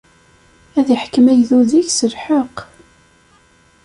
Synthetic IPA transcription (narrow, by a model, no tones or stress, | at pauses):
æðiħkəmæjðuðiʝsəɾħəq